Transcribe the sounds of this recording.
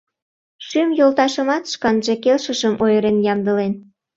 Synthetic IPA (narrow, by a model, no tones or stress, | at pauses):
ʃymjolt̪ɑʃəmɑt̪ʃkɑnʒe̽kelʃəʃəmʔojəɾenjɑmd̪əlen